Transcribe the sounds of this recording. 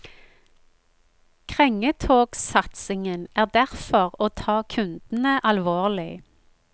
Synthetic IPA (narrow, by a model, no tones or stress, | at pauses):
kʰʁɛŋət̪ʰoːksɑt̪sɪŋənæːʁd̪æʁfɔʁoːt̪ʰɑːkʰʉnd̪̥n̩əʔɑlʋoːʁlɪ